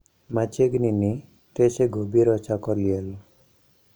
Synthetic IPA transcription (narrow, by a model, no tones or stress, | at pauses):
mat͡ʃeɡnini | t̪eseɡʱobiɾɔt͡ʃakɔliel